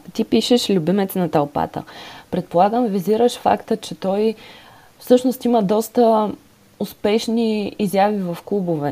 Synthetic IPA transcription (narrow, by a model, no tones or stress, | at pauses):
t̪ipiʃɛʃlʲʊbimɛt̪ɛnɐt̪ɐlˠpa̰t̪ə̰pɾɛt̪̚polˠaɡəmviziɾəʃfa̰kt̪ət͡ʃɛt̪ɔj | fsɤʃnost̪iməd̪ɔst̪ə | ʊspɛʃniizjavivɐfklˠubovɛ